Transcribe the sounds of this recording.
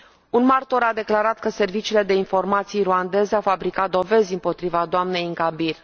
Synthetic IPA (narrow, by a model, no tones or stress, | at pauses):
unmart̪o̞ɾad̪e̞klaɾat̪kəse̞rvit͡ʃiːle̞d̪e̞info̞rmat̪sijɾuand̪e̞zeawfabɾikat̪̚d̪o̞ve̞zʲɨmpo̞t̪ɾivad̪oamne̞jɨŋkabir